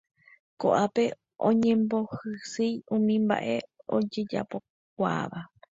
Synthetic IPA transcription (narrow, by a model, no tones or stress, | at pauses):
koʔape̞ | ʔõɲẽ̞mbo̞hɨsɨjũmĩmba̰ʔe̞o̞̰d͡ʒe̞d͡ʒa̰po̞ | k̚ʷa̰ʋa